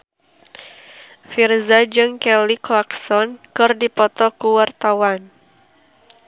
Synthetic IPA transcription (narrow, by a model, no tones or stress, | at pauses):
firzad͡ʒɨŋkɛliklaksɔnkɨrdipɔt̪ɔkuwart̪awan